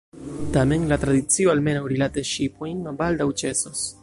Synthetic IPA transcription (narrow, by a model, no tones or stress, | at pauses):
tame̞nlatɾadit͡sio̞alme̞nawɾilateʃipojnmabaldawt͡ʃe̞sos